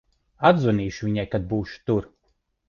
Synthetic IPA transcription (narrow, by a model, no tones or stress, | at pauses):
ad̪zuniːʃuvʲiɲajkad̪̚buːʃu̥t̪uɾ